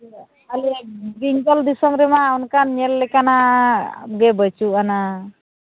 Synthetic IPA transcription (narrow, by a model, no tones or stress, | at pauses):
alɛbiŋɡɔld̪isɔmɾɛmaunkanɲɛlːɛkana | ɡɛbət͡ʃuʔana